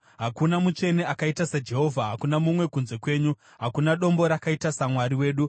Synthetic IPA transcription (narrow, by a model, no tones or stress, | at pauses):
ɦakunamut͡ʃe̞ne̞akaitasad͡ʒe̞ɦo̞vʱaɦakunamumwe̞kunze̞kwe̞ːɲu | ɦakunaɗo̞mbo̞ɾakaitasamwaɾiwe̞ːɗu